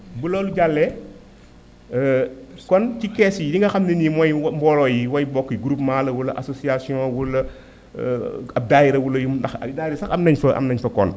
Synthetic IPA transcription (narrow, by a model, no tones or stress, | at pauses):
bulɔːluɟalːɛ | kɔncikɛːsidiŋɡɐxɐmninimɔjmbɔlɔːjiwɐjbɔkːiɡɾupmaːlɐwulːɐʔasosiasiɔ̃wulɐ̰ | ɐb̚daːjiɾɐwulːɐjumndɐxɐ̰daːiɾɐsɐxɐmnɐɲfɐʔɐ̰mnɐɲfɐkɔn